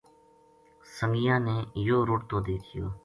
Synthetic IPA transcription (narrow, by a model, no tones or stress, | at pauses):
səŋɡɪjãːnẽːjoːɾoːʈt̪õːd̪eːt̪ʰɪjoː